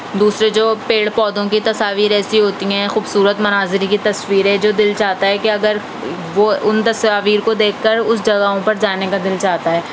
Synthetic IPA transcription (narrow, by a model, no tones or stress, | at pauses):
d̪uːsɾed͡ʒoːpeːɽpɔːd̪õkit̪ɐsaːʋiːɾɛːsiɦoːt̪iɦɛ̃xuːbsuːɾət̪mɐnaːzɾikit̪ɐsʋiːɾɦɛ̃d͡ʒoːd̪ɪlt͡ʃaːt̪aɦɛkeɐɡəɾ | ʋoʊnt̪ɐsaːʋiːɾkod̪eːkʰːɐɾʊsd͡ʒɐɡaɦõpɐɾd͡ʒaːnekad̪ɪlt͡ʃaːt̪aɦɛː